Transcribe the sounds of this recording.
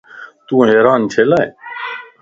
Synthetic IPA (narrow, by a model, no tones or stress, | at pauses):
t̪ũːɦeːɾaːnt͡ʃʰeːlaːe